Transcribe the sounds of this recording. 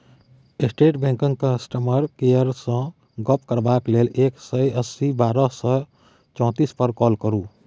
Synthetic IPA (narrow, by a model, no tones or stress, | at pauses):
esʈeʈbɛ̃ŋkə̃ŋkəsʈəməɾkejəɾsə̃ | ɡəpkəɾbaklelʔeksəjəsːibaɾəsə | t͡ʃɔ̃ːt̪ispəɾkɔlkəɾu